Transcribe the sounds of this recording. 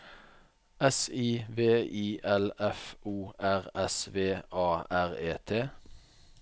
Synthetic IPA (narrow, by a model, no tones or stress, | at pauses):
ɛsiːʋeːʔiːʔɛlɛfʔuːæʁɛsʋeːʔɑːæʁeːt̪ʰeː